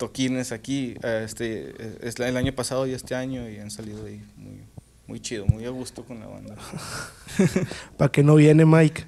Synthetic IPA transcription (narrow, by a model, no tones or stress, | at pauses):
t̪okinesakiaest̪eeselaɲopasaðoiest̪eaɲoiansaliðoimṵj | mṵjt͡ʃiðomujaɣust̪okonla̰βa̰nd̪a | pakenoβjenemajkḁ